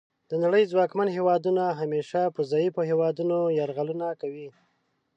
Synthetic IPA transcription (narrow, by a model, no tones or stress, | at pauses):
d̪̥ənaɽəjzwɑkmanɦewɑd̪unaɦameʃapəzɑjipoɦewɑd̪unojaɾɣalunakawi